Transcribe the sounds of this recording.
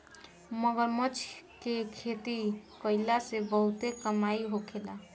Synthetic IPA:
məɡəɾmət͡ʃʰkekʰet̪ikəjlasebəɦut̪ekəmaiɦokʰela

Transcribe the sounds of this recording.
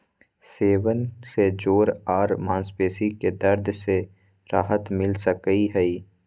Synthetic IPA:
seːwənsed͡ʒoːɾaːɾmãːnspeːsiked̪ɐɾd̪ʱse | ɾaːɦət̪mɪlsəkəiɦɛi

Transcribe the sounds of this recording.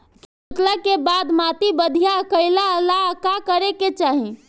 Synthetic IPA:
k | t̪ləkebaːd̪mat̪ibəd̪ʱijaəkəɪlaəlakakəɾeket͡ʃaːɦĩ

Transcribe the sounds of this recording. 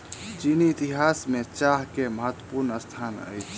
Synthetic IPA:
t͡ʃiniːt̪iɦasmet͡ʃaɦkeməɦət̪wəpuɾnəst̪ʰanə̰jt͡ʃʰ

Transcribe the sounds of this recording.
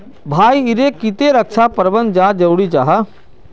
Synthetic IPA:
bʱaːiɪɾekɪt̪eɾəkʃapəɾbə̃nd̪̚d͡ʒaːd͡ʒɐʊɽit͡ʃaːɦa

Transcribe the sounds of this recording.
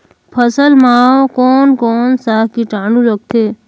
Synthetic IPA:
pʰəsəlmaːwkoːnkɔːnsaːkiʈãːɳũɾɔk̚t̪ʰeː

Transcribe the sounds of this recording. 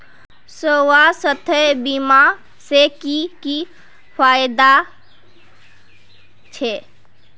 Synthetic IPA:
sowasət̪ʰəbima | sekiki | pʰajd̪a | t͡ʃʰe

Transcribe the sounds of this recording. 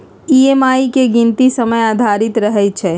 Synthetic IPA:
iemaːikeɡɪ̃nt̪isəməjaːd̪ʱaɾɪt̪ɾəɦɛt͡ʃʰe

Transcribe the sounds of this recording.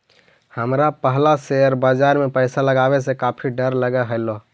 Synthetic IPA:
həmɾapəɦlaseəɾbad͡ʒaɾmepəɪsaləɡabes̬ẽkapʰiɖəɾləɡɛɦəɪlo

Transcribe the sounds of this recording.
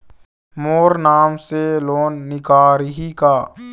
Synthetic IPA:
moːɾnaːmseloːnːɪkaːɾɦikaː

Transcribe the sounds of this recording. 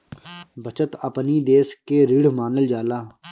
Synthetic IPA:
bʱət͡ʃət̪əpniːd̪eːskeːɾiɽmaːnəld͡ʒaːlaː

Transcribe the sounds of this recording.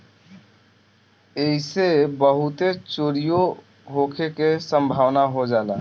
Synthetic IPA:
eɦisebəɦut̪et͡ʃoːɾijo | ɦokʰekesəmbʱaːʋnaɦod͡ʒaːlaː

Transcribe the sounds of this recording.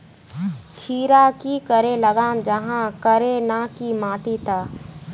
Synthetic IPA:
kʰiːɾakikəɾeləɡaːmd͡ʒɐɦãkəɾenakimaːʈ̪it̪aː

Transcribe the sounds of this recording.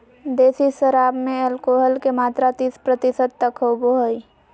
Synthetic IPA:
d̪eːsiʃəɾaːbmẽəlkoːɦəlkemaːt̪ɾat̪ispɾət̪ɪsəd̪̚t̪ːəkɦoboɦəi

